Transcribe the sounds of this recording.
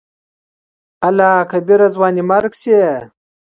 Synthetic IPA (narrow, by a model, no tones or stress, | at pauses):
ɐlaːkʰɐbiɾɐzwɑːnimɐɾkse